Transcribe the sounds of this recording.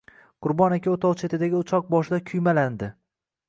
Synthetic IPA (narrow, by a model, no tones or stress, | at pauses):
qʰʊɾbɒnekʲaot̪ʰɒlˠt͡ʃʰet̪ʰɪd̪aɡʲɪʊt͡ʃʰɒq̚bɒʃɪd̪akʲʰʊjmaland̪ɪ